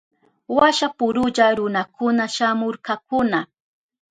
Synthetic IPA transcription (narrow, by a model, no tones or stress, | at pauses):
waʃapʊɾʊʎaɾʊnakʊnaʃamʊɾkak̚ʊna